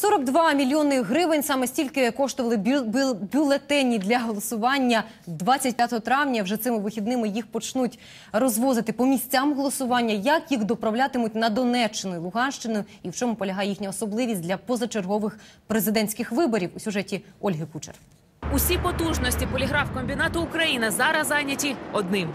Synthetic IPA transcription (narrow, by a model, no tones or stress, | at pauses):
sɔɾɔɡd̪ʋɑmʲilʲjɔnɪɦɾɪʋɪnʲsɑmɛsʲtʲilʲkɪkɔʃt̪ʊʋɐlˠɪbʲʊlˠet̪ɛnʲid̪lʲɐɦɔlˠɔsʊʋɑnʲːɐ | d̪ʋɑt͡sʲːɐtʲpʲjat̪ɔɦɔt̪ɾɑwnʲɐwʒɛt̪sɪmɪʋɪxʲid̪nɪmɪjixpɔt͡ʃnutʲ | rɔzʋɔzɪt̪ɪpɔmʲisʲt͡sʲamɦɔlˠɔsʊʋɑnʲːɐjɐkjixd̪ɔpɾɐwlʲat̪ɪmʊt̚ʲnɐd̪ɔnɛt͡ʃːɪnʊjʊlˠʊɦɑnʃt͡ʃɪnʊjʊ | iwt͡ʃɔmʊpɔlʲɐɦɑjɛjixnʲɐɔsɔblˠɪʋʲis̚ʲdʲlʲɐpɔzɐt͡ʃerɦɔʋɪxpɾezɪd̪ɛnʲsʲkɪxʋɪbɔɾʲiwusʲʊʒɛtʲiɔlʲɦɪkut͡ʃḛr | usʲipɔt̪uʒnɔsʲtʲipɔlʲiɦɾɑwkɔmʲbʲinɑt̪ʊːkɾɐjinɐzɑɾɐzɑjnʲɐtʲiɔd̪nɪm